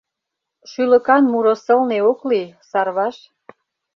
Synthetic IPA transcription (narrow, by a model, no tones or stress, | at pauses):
ʃylə̆kɑnmuɾosə̆lneoklisɑrβɑʃ